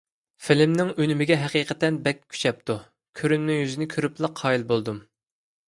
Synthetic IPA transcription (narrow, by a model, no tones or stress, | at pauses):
fɪlɪmnɪŋønymɪɡʲɛɦɛqiːqʰət̪ɛnbɛkʲkʲʰːy̥t͡ʃʰɛp̚t̪u | kʲʰøɾynnɪŋjyzɪnɪkʲʰøɾyplˠəqʰːɑːjilˠbolˠd̪um